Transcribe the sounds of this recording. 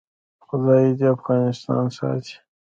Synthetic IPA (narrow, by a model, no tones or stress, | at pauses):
xʊd̪ɑid̪iafɣɑnɪst̪ɑ̰nsɑ̰t̪i̥